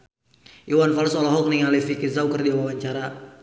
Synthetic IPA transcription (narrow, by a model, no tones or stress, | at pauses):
ʔiwanfalsɔlɔɦɔk̚niŋalifikizawkərdiawawaɲt͡ʃaɾa